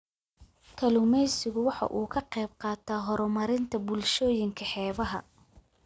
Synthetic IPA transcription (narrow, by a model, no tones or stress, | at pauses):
kʰɐlʊmɛjsɪɣʊwɑħɑ̰ʔuːkʰɐqɛjb̚qɑːt̪ʰaːɦɔɾɔmɐɾɪnt̪ʰɐbʊlʃɔːjɪŋkʰɐħɛːβɐɦɐ̰